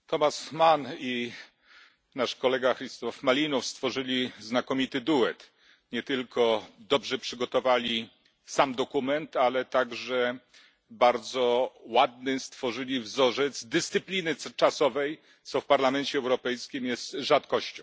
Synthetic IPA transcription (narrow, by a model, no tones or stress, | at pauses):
t̪ɔmasmani | naʂkɔlɛɡaxɾist̪ɔfmalʲinufst̪fɔʐɘlʲiznakɔmʲit̪ɘd̪uwɛt̪ | ɲɛt̪ɘlkʰɔd̪ɔbʐɛpʂɘɡɔt̪ɔvalʲi | samd̪ɔkumɛnt̪alɛt̪aɡʐɛ | baɾd̪zɔwad̪nɘst̪fɔʐɘlʲivzɔʐɛt̪zd̪ɘst̪sɘplʲinɘt͡ʂasɔvɛj | t̪sɔfpaɾlamɛnt͡ɕɛɛwɾɔpɛjskʲimjɛst̪ʐat̪kɔɕt͡ɕɔ̃w̃